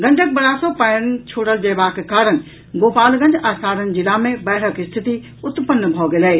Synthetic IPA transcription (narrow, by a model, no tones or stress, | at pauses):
ɡɐ̃ɳʈək̚bɐɾaːsɔpəjnt͡ʃʰoːɽəld͡ʒeːbaːkekaːɾən | ɡoːpaːlɡɐ̃nd͡ʒaːsaːɾənd͡ʒɪlamẽbɛːɽ̤ʰəkɪst̪ʰɪt̪i | ʊt̪pənːbʱoɡelɛ